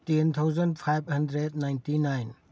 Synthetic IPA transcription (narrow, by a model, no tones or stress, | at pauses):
tent̪ʰawzəndpʰajb̚hɐndɾednajntinajn